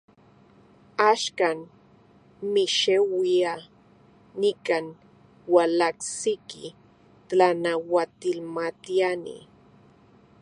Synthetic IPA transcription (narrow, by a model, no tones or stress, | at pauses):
aʃkan | miʃewia | nikan | walaksikḭ | t̪lanawat̪ilmat̪ianḭ